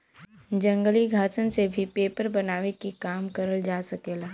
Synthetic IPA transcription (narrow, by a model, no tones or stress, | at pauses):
d͡ʒɐ̃ŋɡəliɡʱaːt͡ʃənsebʱipeːpəɾbɐnaːʋekikaːmkɐɾəld͡ʒaːsɐkeːlaː